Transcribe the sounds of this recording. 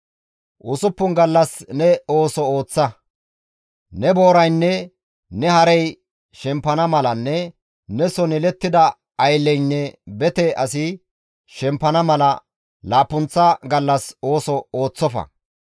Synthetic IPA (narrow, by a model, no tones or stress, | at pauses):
ʔʊsʊpːʊnɡɐlːɐsnɛo̞ːsɔo̞ːt͡sːɐ | nɛbo̞ːɾɐjnːɛ | nɛhɐɾɛj | ʃɛmpːɐnɐmɐlɐnːɛ | nɛsɔnɪlɛt̪ːɪd̪ɐ | ɐjlːɛjnːɛbɛt̪ɛʔɐsɪ | ʃɛmpːɐnɐmɐlɐ | laːpːʊnt͡sːɐɡɐlːɐso̞ːsɔo̞ːt͡sːɔfɐ̰